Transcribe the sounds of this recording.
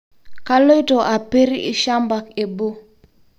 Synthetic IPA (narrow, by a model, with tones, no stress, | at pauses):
ka˦lo˦jto˨ʔa˨pe˦ɾḭ˦ʃa˦mba˨ke˨bo˦